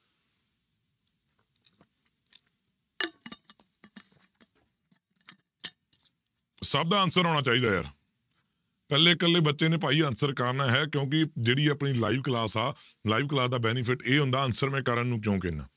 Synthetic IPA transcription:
səb̚d̪aːənsəɾɦoːɳaːt͡ʃaːiːd̪aːja̰ːɾ | pɛːleːkəlːeːbətːʃeːneːp̬aːiːənsəɾkəɾnaːɦɛːkjõːk̬ɪd͡ʒeːɽiːaːpɳiːla̰ːiːʋklaːsaː | laːiːʋklaːsd̪aːbɛːnipʰɪʈeːɦʊ̃nd̪aːənsəɾmɛ̃ːkəɾənːũːk̬jõːkɪnːa̰ː

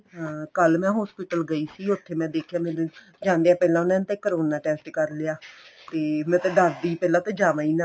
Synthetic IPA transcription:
ãːkəlmɛ̃ːɦɔːspɪːʈəlɡəiːsiːʊt̪ʰːeːmɛ̃ːd̪eːkʰjaːmɛ̃ː | d͡ʒãːnd̪eːaːpɛːlãːʊnãːt̪eːkəɾoːnaːʈɛːsʈkəɾleaːt̪eːmɛ̃ːt̪ɛ̃ːɖaːɾd̪iːpɛːlãːt̪ẽːd͡ʒaːʋãːiːnãː

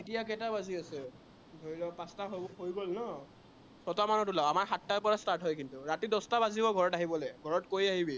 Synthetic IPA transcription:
etijakɛtabaziasɛ | dʱoɹilɔpastaɦohojɡolnɔ | sɔtamanɔtʊlaamaɹxatːajpɔɹastaɹtɦɔjkintʊɹatidɔstabazibɔɡʱɔɹɔtaɦibɔlejɡʱɔɹɔtkoɹiaɦibi

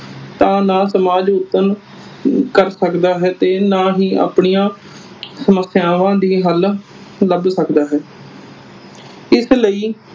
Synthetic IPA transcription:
t̪ãːnãːsəmaːd͡ʒʊt̪ːən | kəɾsəkd̪aːɦɛːt̪eːnãːɦiːa̰ːpɳijãː | səməsjãːʋãːd̪iːɦəl | ləbsəkd̪aːɦɛː | ɪsləiː

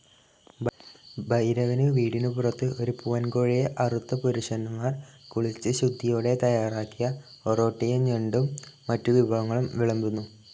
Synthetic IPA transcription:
bbɐjɾɐʋɐnɨʋiːɽinupurɐt̪ːɨʔo̞ɾupuʋɐnkoɻijeʔɐrut̪ːɐpuɾuʂɐnːumaːrkuɭit͡ɕːɨɕud̪ʱːijo̞ːɽe̞t̪ɐjaːraːkːijɐ | oro̞ːʈːijeɲeɳɖumː | ɐtːuʋibʱɐɣɐŋːɐɭumʋiɭɐmbunːu

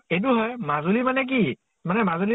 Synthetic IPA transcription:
ejt̬uɦɔjmazolimanɛk̬i | manɛmazoli

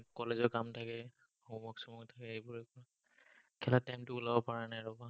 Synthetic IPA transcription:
kɔlezɔkamtʰakɛ | ɔmɔksɔmuktʰakɛejbɔɹekɔ | kʰɛlatajmtʊulabɔpaɹanajɹɔba

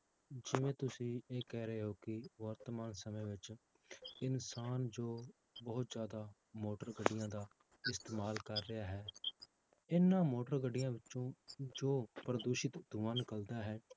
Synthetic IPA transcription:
d͡ʒɪʋẽːt̪ʊsĩːeːkɛːɾəeːɦoːkɪʋəɾt̪əmaːnsəmẽːʋɪt͡ʃ | ɪnsaːnd͡ʒoː | bəɦʊt̪zjaːd̪aː | moːʈəɾɡəɖːɪjãːd̪aː | ɪst̪eːmaːlkəɾːɪaːɦɛː | ɪnːãːmoːʈəɾɡəɖːɪjãːʋɪt͡ʃõːd͡ʒoːpəɾəd̪oːʃɪt̪d̪ʊʋaːnkəld̪aːɦɛː

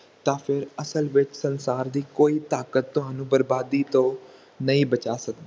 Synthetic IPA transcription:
t̪ãːpʰɪɾəsəlʋɪt͡ʃsənsaːɾd̪iːkoːiːt̪aːkət̪ːʊɦaːnũːbəɾbaːd̪iːt̪õː | nəĩːbət͡ʃaːsəkd̪aː

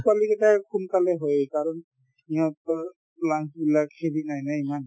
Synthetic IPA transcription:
kwalikɛtakʰunkalɛɦojkaɹɔn | iɦɔ̃t̪ɔ | laŋsbilakhedinajnaiman

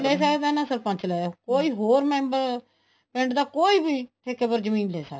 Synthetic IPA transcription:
leːs̬əkd̪aːnãːsəɾpə̃nt͡ʃlɛːkoːiːɦoːɾmɛ̃ːmbəɾ | pɪ̃ɳɖd̪aːkoːiːbiːt̪ʰekepəɾd͡ʒəmĩːnleːsəkd̪

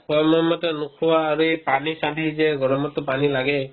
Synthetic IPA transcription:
kʰɔmɔmɔt̪ɔnukʰuwaːɾuepanisadʱizɛɡɔɾɔmɔt̪ːɔpanilaɡɛ

